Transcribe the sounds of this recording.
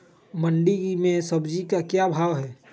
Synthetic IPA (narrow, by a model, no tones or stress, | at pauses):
məɳɖimẽsɐbd͡ʒikakjabʱaːʋɦɛː